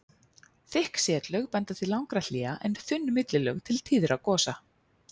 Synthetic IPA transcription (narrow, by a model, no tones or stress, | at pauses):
θɪhksjɛːt̪lœɣpɛnt̪aθilawŋkɾal̥iːaʔɛnθʏnːmɪt̪lɪlœɣt̪ʰɪlt̪ʰiːðʏɾʔawkɔːsa